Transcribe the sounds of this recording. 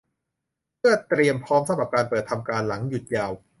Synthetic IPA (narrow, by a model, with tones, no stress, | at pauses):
pʰɯ˥˩ət̪ɾi˧əmpʰɔː˦˥msa˧mɾa˨˩p̚kaː˧npəɤː˨˩t̪ʰːa˧mkaː˧nla˩˦ŋju˨˩t̪̚jaː˧w